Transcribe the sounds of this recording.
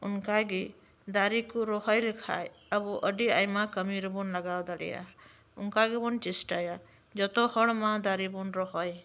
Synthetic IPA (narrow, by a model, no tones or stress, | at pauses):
unkaɡi | d̪aɾikuɾɔɦɔjlkʰa̰j | əbuʔəɖiajmakəmiɾbunlaɡawd̪aɽḭja̰ | unkaɡibunt͡ʃisʈaja | d͡ʒɔt̪ɔhɔɽmad̪aɾibunɾɔɦɔj